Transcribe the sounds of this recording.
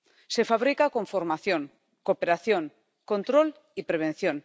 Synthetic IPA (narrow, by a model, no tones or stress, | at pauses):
se̞faβ̞ɾikakõ̞ɱfoɾmaθjoŋ | kopeɾaθjoŋ | kõ̞nt̪ɾol | ipɾeβ̞ẽ̞n̟θjõn